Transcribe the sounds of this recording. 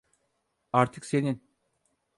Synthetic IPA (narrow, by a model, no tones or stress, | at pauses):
aɾt̪ʰɯksenin